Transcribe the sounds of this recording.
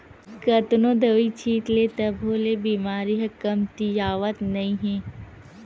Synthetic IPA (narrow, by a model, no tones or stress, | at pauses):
kət̪nõd̪əʋit͡ʃʰiːt̪let̪ɐbʱolebiːmaːɾiɦɐkəmt̪ijaːʋət̪nɐĩɦɛ̃ː